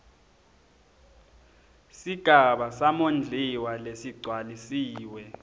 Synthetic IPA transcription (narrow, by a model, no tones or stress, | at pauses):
siɡ̥ʱaɓasamond͡ɮʱiwalesiɡ͡ǀʱwalisiːwɛ